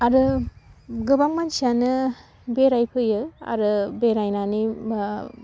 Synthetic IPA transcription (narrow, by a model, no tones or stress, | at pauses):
aɾɯ | ɡɯbaŋmansianɯ | beɾajpʰɯjɯa̰ɾɯbeɾajnani